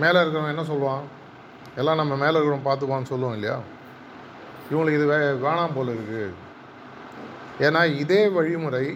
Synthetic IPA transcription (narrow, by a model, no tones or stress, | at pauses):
meːlɐɪɾɯk̬ːɐɾʊ̃ɛnːɐs̬ɔlːʋãː | ɛlːãːnɐmːɐmeːlɐɪɾɯkːɐɾʊ̃mpaːɾt̪ɯpːaːnːɯsɔlːʋõːɪlːɐja̰ː | ɪʋɐŋɡɐɭɯkːɪðɯʋeːʋeːɳaːmpoːlɐɪɾɯkːɯ | eːnːaːɪðeːʋɐɻɪmɯɾɐɪ